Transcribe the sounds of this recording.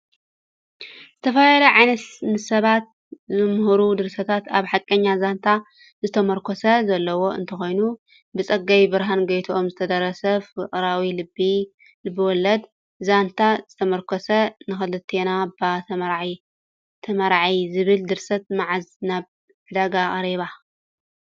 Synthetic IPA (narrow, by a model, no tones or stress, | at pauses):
z̥ɨt̪ʰɐfajɛlɐʕajnɐt̪mɨsɐβat̪̚ | zɨmɦɾud̪ɨɾsɐt̪ʰat̪aβħakʼːɐɲːazant̪ʰa | zɨt̪ʰɐmɐɾkʰosɐzɐlːɐwo̞ɨ̰nt̪ʰɐxo̞jnu | bɨt͡sʼɐɡajbɨɾɦanɡɐjt̪ʰuʔomzɨt̪ʰɐd̪ɐɾɐsɐfɨχʼɾawilɨbːi | lɨbːɨwɔlːɐd̪ | zant̪ʰazɨt̪ʰɐmɐɾkʰɔsɐnɨxɐlɨt̪ʰːenabat̪ʰɐmɐɾʕ | t̪ʰɐmɐɾʕijzɨβɨld̪ɨɾsɐt̪̚maʕaznaβ | fɨd̪aɡaʔʼaɾiβa